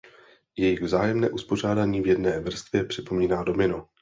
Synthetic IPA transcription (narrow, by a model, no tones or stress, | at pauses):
jɛjɪɣvzaːjɛmnɛ̰ːʔuspo̞r̝aːdaɲiːvjɛdnɛːvr̩st̪vjɛpr̝̥ɪpo̞miːnaːdo̞mɪno